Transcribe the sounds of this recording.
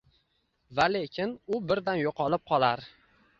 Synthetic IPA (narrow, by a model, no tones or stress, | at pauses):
valekʲʰɪnʊbɪɾd̪anjoqʰɒlɪp̚qʰɒlˠaɾ